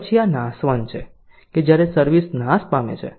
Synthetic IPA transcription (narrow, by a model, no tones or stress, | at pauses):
t͡ʃʰijanãsʋənt͡ʃʰe | ked͡ʒjaɾesəɾʋisnãspamḛt͡ʃʰḛ